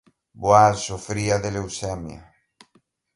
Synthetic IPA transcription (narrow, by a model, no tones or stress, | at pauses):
bwasofɾiaðelewsɛmja̰